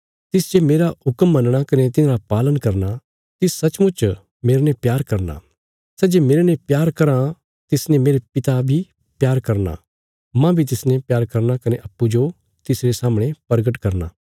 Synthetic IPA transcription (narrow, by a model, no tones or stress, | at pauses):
t̪ɪsd͡ʒemeːɾaɦʊkəmːɐnɽ̃akɐnet̪ɪnaɾapaːlənkɐɾna | t̪ɪsːɐt͡ʃmʊt͡ʃ | meːɾenepjaːɾkɐɾna̰ | sɛːd͡ʒeːmeːɾenẽpjaːɾkɐɾã | t̪ɪsnẽmeːɾepɪt̪abʱi | pjaːɾkɐɾna̰ | mãbʱit̪̬ɪsnẽpjaːɾkɐɾnakɐneʔɐpːud͡ʒo | t̪ɪsɾesaːmɽ̃ẽpɐɾɡəʈkɐɾna̰ː